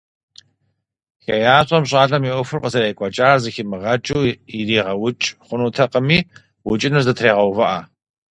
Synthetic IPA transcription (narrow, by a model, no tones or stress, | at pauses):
xɐjaːɕʼɐmɕʼaːɮɐmiʔʷɔfɨrqəzɐɾejkʷʼɔt͡ʃʼaːrzɨxɪmɨʁɐt͡ʃʼuwidiːʁɐwʊt͡ʃʼχʷʊnuːtʰɐqəmiː | wʊt͡ʃʼɪnɨrzɐtʰreːʁɐwvɐʔa̰